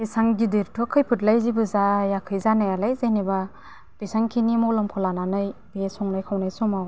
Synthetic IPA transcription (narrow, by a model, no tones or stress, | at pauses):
isaŋɡidiɾtʰɯkʰɯjpʰɯtlajzibɯzajakʰɯjzanajalajzajniba | b̥esaŋkʰinimɔlɔmkʰɔlananɯjbesɔŋnajkʰawnajsɔmaw